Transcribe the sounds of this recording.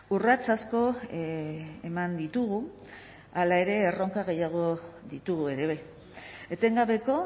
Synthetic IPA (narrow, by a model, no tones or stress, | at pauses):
urat͡sasko̞ | emand̪it̪uɣu | alae̞ɾe̞ːro̞ŋkaɣe̞jaɣ̞o̞ðit̪uɣue̞ɾe̞βe | et̪e̞ŋɡaβe̞ko̞